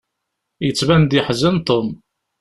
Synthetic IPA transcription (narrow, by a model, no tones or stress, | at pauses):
jət͡sːvænd̪əħzənt̪ˤom